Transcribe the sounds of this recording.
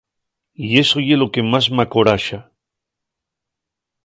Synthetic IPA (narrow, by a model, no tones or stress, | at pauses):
ie̞sojelokemasmakoɾaʃa